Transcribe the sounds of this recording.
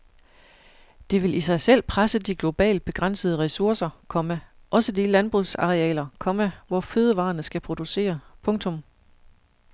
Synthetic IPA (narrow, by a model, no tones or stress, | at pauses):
d̥e̝ʋe̝lisɑ̈ɪsel̰pʰʁasəd̥iɡ̥lo̝b̥ɛ̰ːld̥̚b̥e̝ɡ̥ʁɑn̰səð̞̩ˠəʁɛsuɐsɐkʰɒ̽məʔɒ̽səd̥ilænb̥ʁusɑ̈ʁɛɛ̰ːlɐkʰɒ̽məʋɒføð̞ˠəʋɑ̰̈ːɐnəsɡ̥æpʰʁod̥use̝̰ːɐpʰɔ̽ŋt͡sʰɔ̽m